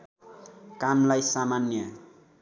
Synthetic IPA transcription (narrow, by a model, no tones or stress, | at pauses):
kamlajsamanjʌ